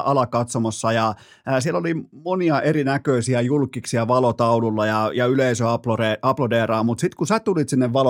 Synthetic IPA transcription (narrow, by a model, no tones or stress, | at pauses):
ʔɑlɑkɑt̪somɑsːɑjɑː | sielolimoniɑʔeɾinækøisiæjulkːˑiksiæʋɑlot̪ɑululːɑjɑjɑyleisøɑploreɑplodeːrɑːmut̪sit̪kusæt̪ulit̪sinːeʋʋɑlo